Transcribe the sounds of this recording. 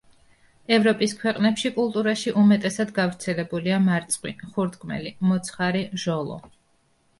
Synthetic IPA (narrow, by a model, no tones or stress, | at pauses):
ɛvɾɔpʼiskʰwɛqʼnɛpʃikʼulˠt̪ʼuɾaʃiʔumɛt̪ʼɛsad̪ɡavɾt̪sʰɛlɛbuliamaɾt̪sʼqʼwḭχuɾd̪ɡmɛ̰limɔt̪sʰχaɾiʒɔlˠɔ̰